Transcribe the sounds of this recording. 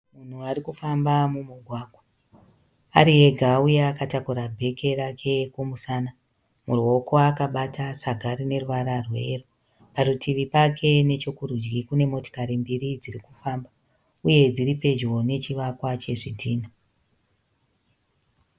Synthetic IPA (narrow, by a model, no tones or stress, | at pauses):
mun̤uarikufambamumuɡʱwaːɡʱwa | aɾie̞ɡʱaujeakatakuɾabʱe̞ke̞ɾakʰe̞kumusaːna | muro̞kʰo̞akaɓatʰasaɡʱaɾine̞ruʋaɾarwe̞ru | paɾutʰiʋipakʰe̞ne̞t͡ʃokuɾud͡ʒɡikune̞mo̞to̥kaɾimbirid͡zirikufamba | uje̞d͡ziɾipe̞d͡ʒwo̞ne̞t͡ʃiʋakwat͡ʃe̞ʐidʱiːna